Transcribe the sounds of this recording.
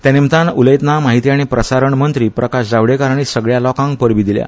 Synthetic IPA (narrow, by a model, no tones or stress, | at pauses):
t̪jãnimt̪anuləjt̪namaɦit̪iaɽ̃ipɾəsaɾəɳmənt̪ɾiːpɾəkaɕd͡zaʋɽekaɾaɽ̃isəɡɭjalɔkãŋɡ̚pəɾʋid̪ilja̰